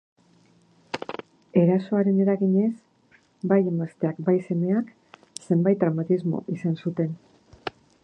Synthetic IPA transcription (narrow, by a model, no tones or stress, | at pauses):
e̞ɾaso̞aɾe̞ne̞ɾaɣiɲe̞s | baje̞mast̪e̞akbajse̞me̞ak | se̞mbajt̪̚d̪ɾawmat̪izmo̞̰ʔisansut̪e̞n